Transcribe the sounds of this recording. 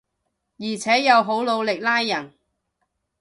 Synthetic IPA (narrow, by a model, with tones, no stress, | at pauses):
jiː˨˩t͡sʰɛː˨˥jɐ˨˧wɦo˨˥wlo˨˧wlɪ˨k̚laː˥jːɐ˨˩n